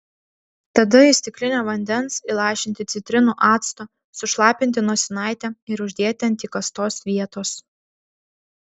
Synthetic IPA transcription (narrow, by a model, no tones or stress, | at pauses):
t̪ɐd̪ɐɪsʲt̪ʲɪklʲɪnʲoːʋɐnʲd̪ʲɛnsilˠɑːʃʲɪnʲt̪ʲɪt̪sʲɪt̪ʲɾʲɪnuːʔɑːt̪st̪oː | sʊʃlˠɑːpʲɪnʲt̪ʲɪnuɔsʲɛnɑˑɪt̪ʲɛɪɾʊʒʲd̪ʲeɛt̪ʲɪɐnt̪ʲiːkɐst̪oːsʋʲiɛt̪oːs